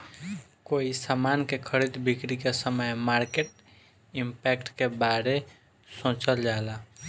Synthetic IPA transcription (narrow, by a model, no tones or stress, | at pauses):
koisamankekʰəɾid̪bʱikɾikesəməjmaɾkeʈ | impɛkʈkebaɾe | sõt͡ʃəld͡ʒala